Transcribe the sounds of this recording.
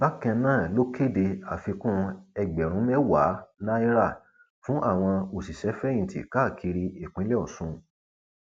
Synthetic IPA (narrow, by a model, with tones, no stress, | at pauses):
ba˦kɛ̃˧nãː˦˨lo˦kʰe˦˨de˧a˨fi˧kũ˦ɛ˧ɡ͡bɛ˨ɾ̃ũ˨˦mɛ˦wa˨˦nã˦i˦ɾa˦˨ | fũ˦ʔa˦˨w̃ɔ̃˧o˨si˨ʃɛ˨˦fɛ̃˦ĩ˦˨tʰḭ˨ka˦˨kʰi˧ɾi˧e˨k͡pĩ˨˦lɛ˦ɔ̰˦˨sũ˧˦